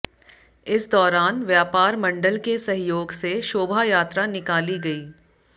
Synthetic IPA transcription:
ɪsd̪ɔːɾaːnʋjaːpaːɾmɐ̃ɳɖəlkesɐɦjoːɡseʃoːbʱajaːt̪ɾanɪkaːliɡɐiː

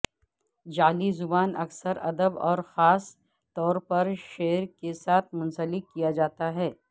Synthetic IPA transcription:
d͡ʒaːlizʊbaːnʔɐksəɾɐd̪əbɔ̰ːɾxaːs | t̪ɔːɾpɐɾʃeːɾkesaːt̪ʰmʊ̃nsəlɪkːijad͡ʒaːt̪aɦɛː

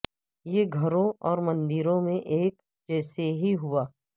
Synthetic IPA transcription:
jeːɡʱɐɾõʔɔːɾmɐ̃nd̪ɪɾõmẽʔeːk | d͡ʒɛːseɦiɦʊaː

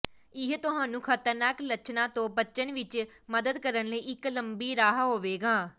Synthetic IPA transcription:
ɪɦt̪ʊɦaːnũːkʰət̪əɾnaːklət͡ʃnãːt̪õːbət͡ʃənʋɪt͡ʃməd̪əd̪kəɾənləiːʔɪkləmbiːɾaːɦɦoːʋeːɡaː

